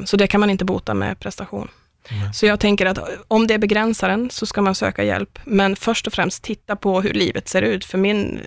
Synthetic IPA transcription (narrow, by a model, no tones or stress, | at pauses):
sɔd̪ɛkʰanmanɪnt̪əbuːt̪a̰mɛ̰pʰɾɛst̪aɧṵːn | sɔjɑːɡ̚t̪ʰɛŋkəɾat̪ɔmd̪ɛæɾbɛɡɾɛnsaɾənsɔskamansø̰ːkajɛ̰lpmɛnfœʂʈɔfɾɛmst̪ʰːɪt̪ːapʰɔɦɵ̰ɭiːvət̪seːɾʉ̟ːt̪fœɾmɪn